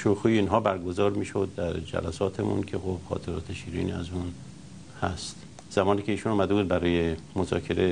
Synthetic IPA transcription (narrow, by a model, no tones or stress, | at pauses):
ʃoxuːjiːnɦɒːbæɾɡozɒːɾmiːʃod̪ːæɾd͡ʒæ̰læsɒːt̪ʰemṵnkʰeɣobxɒ̰ːt̪ʰeɾɒːt̪ʰeʃiːɾḭːnḭæzun | hæst̪ | z̥æmɒːniːkʰʲeiːʃunɒːmæd̪ebuːd̪̚bæɾɒːjemozɒ̰ːkʰe̞ɾe